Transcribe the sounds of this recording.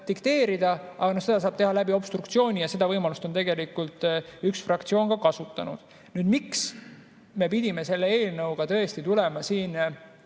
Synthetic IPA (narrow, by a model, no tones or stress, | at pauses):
d̪ikt̪e̞ːɾid̪̥ɑʔɑ̰ɡɑnohse̞d̪̥ɑs̬ɑːb̥̚t̪e̞hɑlæbio̞b̥st̪rukt̪sio̞ːnʲijɑse̞d̪ɑvɤjmɑlust̪ot̪e̞ɡe̞likːult̪ˑyksfrɑkt̪sio̞ːnkɑkɑsut̪ˑːɑ̰nṵd̪̥ | nyːd̪miks | me̞pid̪̥ʲime̞se̞lːeeːlnɤwɡ̥ɑt̪ɤest̪it̪ulemɑsiːn